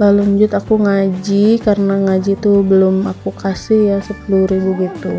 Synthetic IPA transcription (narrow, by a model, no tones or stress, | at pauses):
laluɲd͡ʒʊt̪akuŋad͡ʒikarənaŋad͡ʒit̪ubəlʊmakukasɪhjasəpuluɾibuɡit̪u